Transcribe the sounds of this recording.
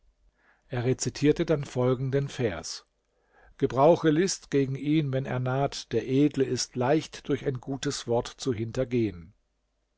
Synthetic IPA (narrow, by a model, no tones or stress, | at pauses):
ʔeːɐʁet͡sitʰiːɐtədanfɔlɡŋ̩dənfɛɐs | ɡ̥əbʁaʊxəlɪstɡ̥eːɡŋ̩ʔiːnvɛnḛːɐnaːtd̥eːɐʔeːdl̩əɪstʰlaɪçtd̥ʊɐçaɪnɡuːtəsv̥ɔɐtt͡suɦɪntɐɡeːən